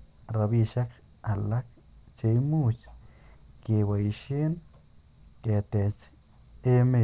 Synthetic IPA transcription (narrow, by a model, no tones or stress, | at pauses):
ɾabiʃak | alak | t͡ʃejmut͡ʃ | kewaiʃen | ket̪et͡ʃ | eme